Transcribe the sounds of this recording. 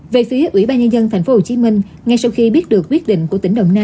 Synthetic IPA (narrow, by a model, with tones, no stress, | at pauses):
ve˨˩fi˨˦əʔwḭ˧˩ɓaː˧ɲə˧nzə˧nt̪ʰa˨˩jŋ̟fo˨˦ho˨˩t͡ɕi˨˦mï˧ŋ̟ | ŋa˧jsa˧wxi˧ɓi˦˥ət̚ɗɨ˨˩ək̚ːwi˦˥ət̚ɗḭ̈˧˨ŋ̟ku˧˩ət̪ï˧˩ŋɗə̰˧˨wŋ͡mnaː˧